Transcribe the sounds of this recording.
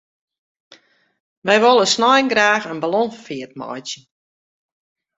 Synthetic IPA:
ʋɛjʋɔlˠəsnɔjnɡraːxənbalɔnfiət̚mɔ̰jtjə

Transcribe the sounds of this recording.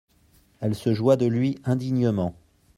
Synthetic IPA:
ɛlsəʒwad̪əlɥiʔɛ̃d̪iɲəmɑ̃

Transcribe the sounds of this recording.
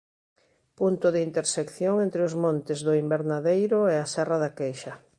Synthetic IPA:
punt̪ʊðɪint̪eɾsekθjoŋẽnt̪ɾeʊzmõnt̪ɪzðʊimbeɾnaðejɾʊɛasɛraðakejʃɐ

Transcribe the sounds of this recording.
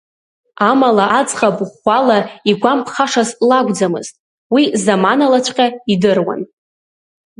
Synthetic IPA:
amalaʔad͡zχabʼχʷalaiɡʷampʰχaʂazlaɡʷd͡zamɨ̰z̥tʼ | wizamanalat͡ʃʷʰʼqʲʼaidɨrwa̰n

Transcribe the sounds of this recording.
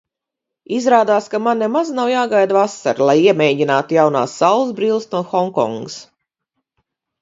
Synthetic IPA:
izɾaːd̪aːskamanːemaznawjaːɡajd̪vasa̰ɾlˠajiɛmɛːɟinaːt̪ujawna̰ːsːawlˠzbɾiːlˠsnuɔxɔŋkɔ̰ŋɡəs

